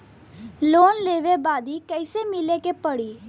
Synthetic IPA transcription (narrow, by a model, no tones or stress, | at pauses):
loːnleːʋeːbaːd̪iːkəɪseːmɪleːkeːpəɽiː